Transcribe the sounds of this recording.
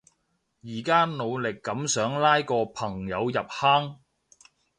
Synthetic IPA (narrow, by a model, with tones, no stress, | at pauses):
jiː˨˩kaː˥no˨˧wlɪ˨˩kːɐ˨˥msœː˨˥ŋlaː˥jkɔː˧pʰɐ˨˩ŋjɐ˨˧wjɐ˨p̚haː˥ŋ